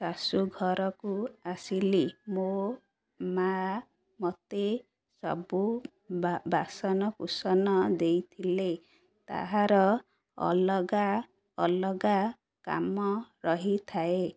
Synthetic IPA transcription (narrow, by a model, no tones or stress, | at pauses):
sasuɡʱɔɾɔkuasilimo | ma | mɔt̪e | sɔ̰bu | basɔnɔkusɔnɔd̪ejt̪ʰile | t̪a̰ɦaɾɔ | ɔ̰lɔɡaː | lɔɡa | ka̰mɔɾɔɦit̪ʰae